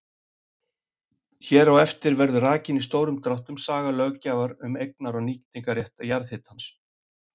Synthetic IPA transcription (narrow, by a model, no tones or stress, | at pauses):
çɛːɾawɛft̪ɪɾvɛɾðʏraːcɪnis̬t̪oːwɾʏmt̪ɾawht̪ʏmsaːɣalœɣcaːvaɾʏmejk̚naɾawniːct̪iŋkarjɛht̪ajaɾðhɪt̪hans